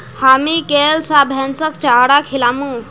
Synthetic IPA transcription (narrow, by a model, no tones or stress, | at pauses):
hamikelsabʱɛnsəkt͡ʃaɽakʰilamu